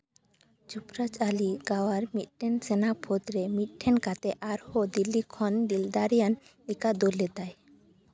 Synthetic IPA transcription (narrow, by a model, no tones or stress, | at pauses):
d͡ʒupɾad͡ʒaliɡawaɾmit̪̚ʈʰɛnsɛnapʰod̪ɾɛmit̪̚ˀʈʰɛnkat̪ɛʔaɾhod̪ilːikʰɔnd̪ild̪aɾijan | likad̪olɛd̪aj